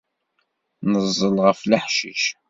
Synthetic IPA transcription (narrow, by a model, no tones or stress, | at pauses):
nəzˤːəlʁəfləħʃḭʃ